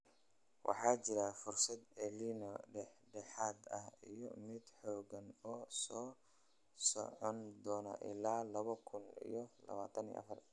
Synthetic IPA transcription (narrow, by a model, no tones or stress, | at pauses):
wʔɑ̰ħɑːt͡ʃɪɾɐfʊrsɐd̪ɛlinɔɖɛħɖɛħaːd̪ɐɦijɔ̰mɪd̪ħɔːɡɐnɔːsɔː | sɔ̰ʕɔnd̪ɔːnɐ̰ʔɪ̰laːlɐβɐkʰʊnḭjɔlɐ̰βaːt̪ʰɐnḭj̰ʔɐ̰fɐr